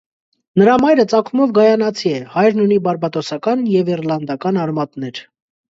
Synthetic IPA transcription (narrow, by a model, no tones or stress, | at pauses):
nəɾɑmɑjɾət͡sɑkʰumɔvɡɑjɑnɑt͡sʰiɛhɑjɾnunibɑɾbɑt̪ɔsɑkɑnjɛviɾlɑnd̪ɑkɑnɑɾmɑt̪nɛɾ